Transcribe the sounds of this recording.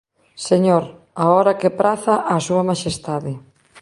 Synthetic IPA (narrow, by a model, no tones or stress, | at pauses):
seɲoɾ | aɔɾɐkepɾaθɐʔasuɐmaʃest̪aðɪ